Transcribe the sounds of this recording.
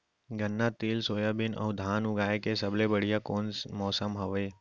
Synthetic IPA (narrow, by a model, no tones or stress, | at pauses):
ɡənːat̪iːlsoːjabɪnɐ̰ɦʊ̃d̪ʱaːnʊɡaːekesɐblebəɽijakoːnsmɔːsəmɦɐʋeː